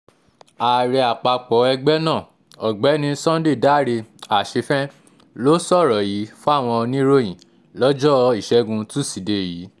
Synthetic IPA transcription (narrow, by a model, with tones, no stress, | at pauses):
a˨ɾɛ˧a˨k͡pa˧k͡pɔ˨˦ɛ˧ɡ͡bɛ˦nãː˦˨ | ɔ˨ɡ͡bɛ˨˦nĩ˧˦sɔ̃˦de˦˨da˦˨ɾe˧a˨ʃe˧fɛ̃˦ | lo˨˦sɔ˦˨ɾɔ˨jiː˨˦fu˦a˦˨w̃ɔ̃˧ɔ˧nĩ˦ɾo˦j̃ĩ˨ | lɔ˦d͡ʒɔ˦i˦˨ʃɛ˨˦ɡũ˧tũ˦˨si˨de˧˨jiː˨˦